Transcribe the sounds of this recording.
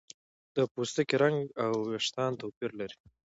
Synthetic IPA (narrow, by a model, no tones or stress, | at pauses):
d̪̥əpust̪əkiɾaŋɡawaʂt̪ɑnt̪awpiɾlaɾi̥